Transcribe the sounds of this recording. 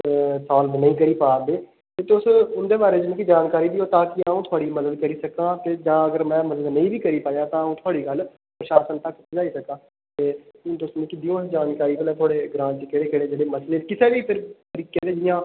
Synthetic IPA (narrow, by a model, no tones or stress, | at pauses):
sɔːlnəĩːkəɾiːpaːb̪eː | t̪eːt̪ʊsʊnd̪eːbaːɾeːd͡ʒɪmẽkid͡ʒaːnkaːɾiːd̪iːoːt̪ãːkɪaːũːt̪ʰʊaːɽiːməd̪əd̪̚kəɾiːsəkãːt̪eːd͡ʒãːəɡəɾmɛ̃ːməd̪əd̪nəĩːbiːkəɾiːpaːjãːt̪ãːəũːt̪ʰʊaːɽiːɡəl | pɾʃaːsənt̪əkd͡ʒaːiːsəkãː | t̪eːnt̪ʊsnĩːkɪd̪ijõːsd͡ʒaːnkaːɾiːkəlẽːt̪ʰʊaːɽeːɡɾãːt͡ʃkeɽeːkɪɽeːd͡ʒeːɽeːməsleːkɪseːʋiːpʰɪɾt̪əɾiːkẽd̪eːd͡ʒɪjãː